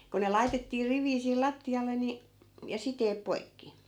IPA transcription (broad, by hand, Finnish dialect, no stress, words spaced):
ko ne lɑitetːiː riʋˑiː siːl lɑtːiɑlːe ni jɑ siteːp poikːi